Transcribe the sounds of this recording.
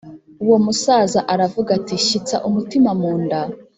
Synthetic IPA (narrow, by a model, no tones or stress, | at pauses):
uwo̞musaːzaʔaɾavuɡatiʃit͡sa̰ʔumutimamuːnda